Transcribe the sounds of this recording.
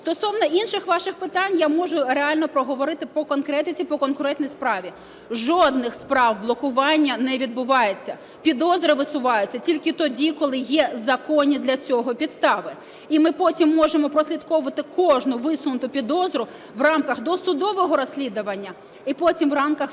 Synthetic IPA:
st̪ɔsɔwnɐʔinʃɪxʋɑʃɪxpɪt̪ɑnʲjamɔʒʊɾeɑlʲnɔpɾɔɦɔʋɔɾɪt̪ɪpɔkɔnkɾɛt̪ɪt͡sʲipɔkɔnkʊɾɛt̪nʲɔjspɾɑʋʲi | ʒɔd̪nɪxspɾɑwblˠɔkʊʋɑnʲːɐnɛʋʲid̪̚bʊʋɑjet͡sʲːɐ | pʲid̪ɔzɾɪʋɪsʊʋɑjʊt͡sʲːɐtʲilʲkɪt̪ɔdʲikɔlˠɪjɛzɐkɔnʲid̪lʲɐt͡sʲɔɦɔpʲid̪st̪ɑʋɪ | imɪpɔtʲimːɔʒemɔpɾɔsʲlʲid̪kɔʋʊʋɐt̪ɪkɔʒnʊʋɪsʊnʊt̪ʊpʲid̪ɔzɾʊ | ʋrɑmkɐxd̪ɔsʊd̪ɔʋɔɦɔɾɔsʲlʲid̪ʊʋɐnʲːɐ | ipɔtʲimʋrɑmkɐx

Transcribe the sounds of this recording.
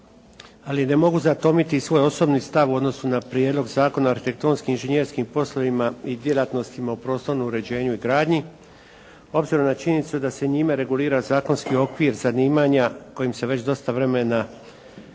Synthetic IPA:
aline̞mo̞ɡuzat̪o̞mit̪isʋo̞ːjo̞so̞bnist̪aʋuo̞d̪no̞sunapɾjeːd̪lo̞ɡzaːko̞naːɾxit̪e̞k̚t̪o̞ːnskiinʒeɲeɾskimpo̞sloʋimaid̪je̞lat̪no̞st̪imaopɾo̞ːst̪o̞ɾnouɾe̞d͡ʑe̞ːɲuiɡɾaːd̪ɲi | o̞bziɾomnat͡ʃiɲe̞nit̪sud̪ase̞ɲimeɾe̞ɡuliːɾazaːko̞nskio̞kʋiːɾzaniːmaːɲako̞jimse̞ʋe̞t͡ɕd̪o̞st̪aʋɾe̞me̞na

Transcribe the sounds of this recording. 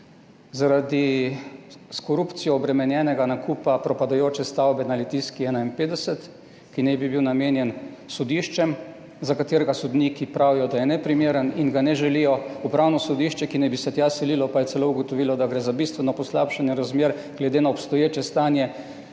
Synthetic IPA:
zaɾad̪i | skɔɾupt̪sijɔːbɾɛmɛnjɛːnɛɡanakupapɾɔpad̪ajoːt͡ʃɛst̪awbɛnalit̪iskiɛːnainpeːd̪ɛsɛt̪ | kinɛbibiwnameːnjɛn | sɔd̪iʃt͡ʃɛm | zakat̪eːɾɛɡasɔd̪nikipɾaʋijɔd̪ajɛnɛpɾimeːɾəninɡanɛʒɛlijɔupɾawnɔsɔd̪iːʃt͡ʃɛkinɛbisɛt̪jasɛliːlɔpajɛsɛlouɡɔt̪ɔʋilɔd̪aɡɾeːzabist̪ʋɛnɔpɔslapʃanjɛɾazmeːɾ | ɡ̥lɛd̪enaɔpst̪ɔjeːt͡ʃɛst̪aːnjɛ

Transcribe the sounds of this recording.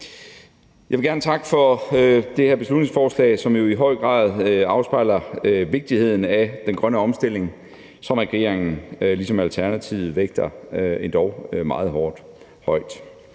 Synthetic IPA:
jɑ̈ɪʋeɡæɐnət͡sʰɑ̈ɡ̥əfɒd̥e̝hæɐb̥e̝slud̥ne̝ŋsfɒːslɛ̰ːɪsɒ̽mjo̝iɦɒ̽ɪ̰ɡ̥ʁɑ̰̈ːð̞ˠɑ̈ʊsb̥ɑ̈ɪlɐøʋe̝ɡ̥̚d̥ihe̝ð̞̰ˠn̩æd̥enɡ̥ʁɶnəɒ̽msd̥e̝l̰e̝ŋ | sɒ̽mæɡ̥e̝̰ɐ̰eŋn̩lisɒ̽mælt͡sʰæɐnæt͡sʰiʊð̩ˠʋeɡ̥̚d̥ɐend̥ɒʊmɑ̈ːð̞̩ˠɦɒːd̥ | hɒ̽ɪ̰d̥

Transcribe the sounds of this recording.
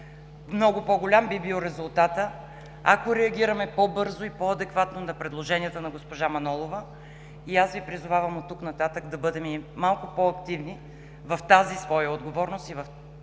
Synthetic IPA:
mnɔɡʊpɔɡʊlʲambibilˠɾɛzʊlˠt̪at̪ə | a̰koɾɛɐɡ̟ʲiɾɐmɛpɔbɤɾzoipɔɐd̪ɛkvat̪nonɐpɾɛd̪lˠoʒɛniət̪ənɐɡospoʒamɐnɔlˠovə | iasvipɾizʊvavɐmot̪ːuknɐt̪at̪əkd̪ɐbɤd̪ɛmimalˠkʊpɔɐkt̪ivni | vɐft̪azisvɔjɐod̪ɡovɔɾnost̪ivɐf

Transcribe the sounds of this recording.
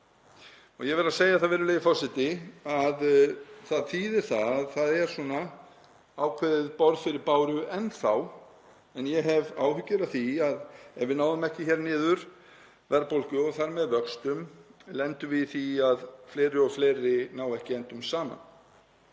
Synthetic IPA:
ɔɣjɛɣvɛɾaseːjaðθaðvɛːɾʏleːjðɪfɔwsɪt̪ɪaðθaðt̪ʰiːðɪɾ̥θaððθaðɛɾ̥sɔna | aːwkʰvɛðɪðpɔɾðfɪɾɪɾpaːwɾʏʔɛnːθaw | ɛnjɛɦɛvaːwhʏcːɪɾaθiaðɛvɪnaːwðʏmɛhcɪçɛɾnɪːðʏɾ̥ | vɛɾpowlcʏɔɣθaɾmɛðvœkst̪ʏmlɛnt̪ʏvɪθiaðfleːɾɪɔɣfleːjɾɪnaːwɛhcɪɛnt̪ʏmsaːma̰n

